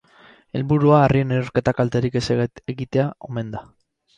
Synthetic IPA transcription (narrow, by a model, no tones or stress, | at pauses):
e̞lβuɾuaːrieneuɾket̪akalt̪eɾikeseeɣit̪eao̰me̞nd̪a